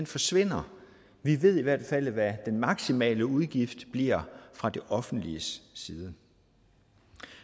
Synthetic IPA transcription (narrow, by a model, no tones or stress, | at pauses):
enfɒ̽sʋe̝n̰ɐ | ʋiʋe̝ð̞̰ˠiʋæɐd̥fæl̰ʋæd̥enmɑ̈ɡ̥simɛ̰ːləuð̞ˠɡ̥ifd̥b̥liɐ̰fʁɑ̈d̥e̝ʔɒ̽fn̩d̥liəssiːð̞ˠə